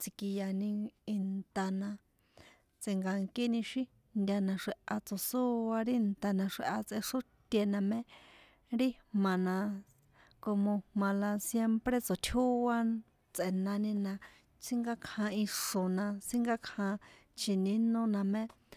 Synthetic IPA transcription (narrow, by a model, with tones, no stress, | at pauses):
t͡si˧ki˧ja˧nĩ˧i˧nt̪a˧nã˧ | t͡se˧ŋɡa˧ŋki˦nĩ˧ʃi˦ | nd̪ʲa˧nã˧ʂe˧ʔa˧t͡so˨su˦a˧ɾi˦nt̪a˧nã˧ʂe˧ʔa˧t͡sʔe˧ʂu˦t̪ʲe˧nã˧mẽ˦ | ɾi˦mã˨nã˧ | ko˧mõ˧mã˧la˧sje˦mpɾe˦t͡so˨t̪ʰu˦a˦ | t͡sʔe˨nã˧nĩ˧nã˧ | t͡si˦ŋɡa˦kʰã˧i˧ʂo˨nã˧t͡si˦ŋɡa˦kʰã˧ | t͡ʃʰi˨nĩ˦nõ˦nã˧mẽ˦